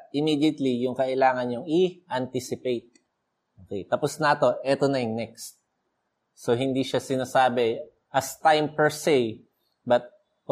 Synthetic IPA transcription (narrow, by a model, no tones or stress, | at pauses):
ʔɪmiːd̪jɐt̪lijʊŋkɐʔɪlaːŋɐnɲʊŋiʔɐnt̪isɪpejt̪̚ | ʔokɛjt̪ɐposnat̪o̞ʔɛt̪onɐjʊŋnɛkst̪̚ | soɦɪnd̪iʃasɪnasaːbɛ | ʔɐst̪ajmpɛɹsej | bɐt̪̚